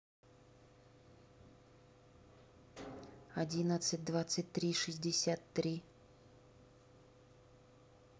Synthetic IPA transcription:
ɐdʲinət̪sɨt̚ʲd̪vat̪sɨtʲt̪ɾʲiʂɨzʲdʲɪsʲat̪ːɾʲi

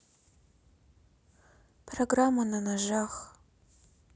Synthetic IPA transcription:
pʰroɡramːɐnɐnɐʒaχ

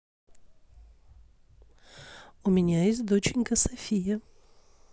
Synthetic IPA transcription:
ʊmʲɪnʲajes̬ʲtʲd̪ot͡ɕɪnʲkəsɐfʲijə

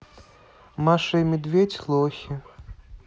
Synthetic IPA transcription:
maʂɨjmʲɛd̪vʲet͡sʲlˠɔxʲi

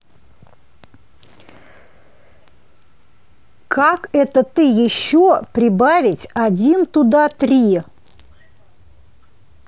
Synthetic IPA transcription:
kakɛt̪ət̪ɨjɪɕːopɾʲɪbavʲɪtʲɐdʲint̪ʊd̪at̪ɾʲi

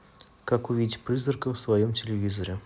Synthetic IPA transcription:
kakʊvʲidʲɪtʲprɨzərkəfsvajomtʲɪlʲɪvʲizɐɾʲɪ

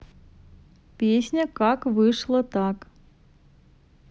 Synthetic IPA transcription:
pʲesʲnʲəkakvɨʂlˠət̪ɑk

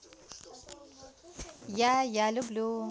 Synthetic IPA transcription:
jajalublu

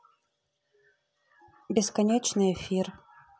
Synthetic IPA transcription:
bʲɪskɐnʲet͡ʃnɨjɛfʲir

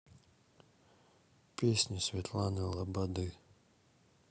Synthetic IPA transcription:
pʲesʲnʲisʲvʲet̪ʰlˠanɨlˠabad̪ɨ

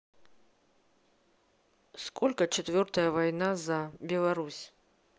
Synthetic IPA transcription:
skʰolʲkət͡ɕɪt̪vʲort̪əjəvajnazabʲɪlˠɐɾusʲ

